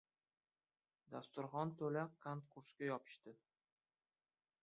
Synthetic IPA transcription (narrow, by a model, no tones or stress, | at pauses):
d̪ast̪ʊɾχɒnt̪ʰɵlaqʰant̪qʰʊɾskʲajɒpʰɪ̥ʃt̪ɪ